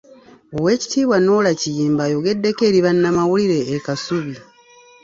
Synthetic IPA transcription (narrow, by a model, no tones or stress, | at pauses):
owe̞ːci̥tiːβwano̞ːlacijiːmbajo̞ɡe̞dːe̞ke̞ːɾiβanːamawuliɾe̞ːkasuβi